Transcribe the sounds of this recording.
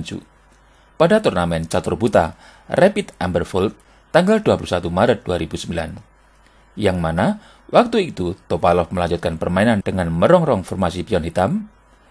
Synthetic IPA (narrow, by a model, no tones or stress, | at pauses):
ɲt͡ʃṵ | padat̪urnamɛnt͡ʃat̪rbut̪a̰ | repit̪ambərfɔlt̪ | t̪ːaŋɡalduapulusat̪umaɾət̪̚d̥uaɾibusəmbila̰n | jaŋmana | wʔak̚t̪uit̪ut̪opalɔfməlaɲd͡ʒut̪̚kanpərmaenand̥əŋanməɾɔŋrɔŋfɔrmasipiɔnhit̪am